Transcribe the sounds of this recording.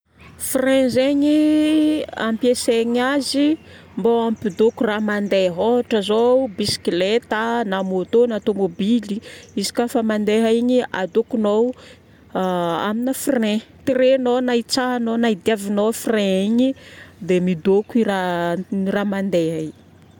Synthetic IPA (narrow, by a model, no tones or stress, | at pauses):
frɛ̃zeɲi | a̰mpjeseɲazi | mbowampid̪okuramand̪eɦoɦaʈ͡ʂəzobisi̥kilet̪anamot̪onat̪omobiliizi̥kafəmand̪eɦaiɲia̰d̪okunow | a̰minəfrɛ̃t̪iɾenonait͡saɦnonaid̪iavinowfrɛ̃iɲid̪emid̪okuira | ramand̪eɦəiɲ